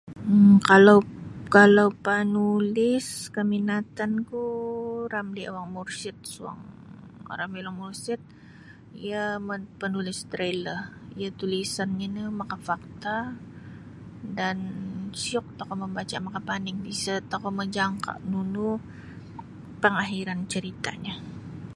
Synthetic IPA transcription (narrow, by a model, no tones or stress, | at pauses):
əkalawkalawpanulɪskəminat̪ankuɾamlia̰waŋmursɪt̪̚sua̰ŋ̰ | ɾamilɔŋmursɪt̪̚ | ijaməpənulɪst̪ɾelərḭjat̪ulisanɲanəmakafak̚t̪a | dansiɔk̚t̪akɔməmbat͡ʃamakapanɪŋbisat̪akɔməd͡ʒaŋka̰ʔnunu | pəŋaɦiɾant͡ʃəɾit̪a̰ɲa